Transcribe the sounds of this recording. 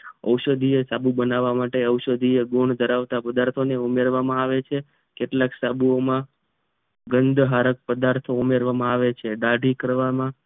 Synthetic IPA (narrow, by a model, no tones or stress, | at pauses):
əwʃəd̪ʱiesabubənaʋamaʈeəwʃəd̪ʱieɡoɳd̪ʱəɾaʋt̪apəd̪aɾt̪ʰoneumeɾʋamãaʋet͡ʃʰe | keʈlaksabuomã | ɡənd̪ʱɦaɾək̚pəd̪aɾt̪ʰoumeɾʋamãaʋet͡ʃʰeɖaɖʱikəɾʋamã